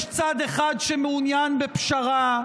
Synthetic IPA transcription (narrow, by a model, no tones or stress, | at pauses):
ʃt͡sad̪eχad̪ʃemeunjanbepʃaʁa